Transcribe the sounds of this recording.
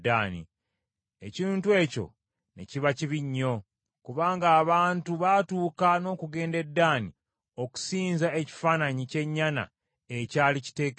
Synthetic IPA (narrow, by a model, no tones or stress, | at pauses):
daːnḭ | eciːntwe̞ːco̞̰ | ne̞̰ciβaciβiɲːo̞ | kuβaːŋɡaːβaːntuβatuːkano̞ːkuɡe̞ːnde̞dːaːni | o̞ku̥siːnzae̞ci̥faːnaɲice̞ɲːana̰ | ecaːlici̥te̞ːk